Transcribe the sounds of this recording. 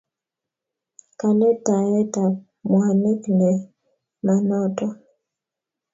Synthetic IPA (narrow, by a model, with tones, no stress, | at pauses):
ka˨nɛ˦ta˨ɛ˦ta˨ | mwa˨nɛ˦knɛ˨ | ma˨nɔ˦tɔ˦˨